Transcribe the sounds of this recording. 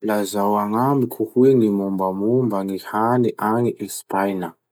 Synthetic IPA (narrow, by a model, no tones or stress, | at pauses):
lazawaŋambikʰuhuenimumbəmumbəŋihaniʔaŋiʔespajnə